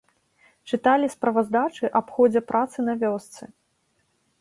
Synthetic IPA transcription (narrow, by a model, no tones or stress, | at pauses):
t͡ʂɨt̪alʲispɾɐvɐzd̪at͡ʂɨʔapxɔd͡zʲɐpɾat̪sɨnɐvʲɔst̪sɨ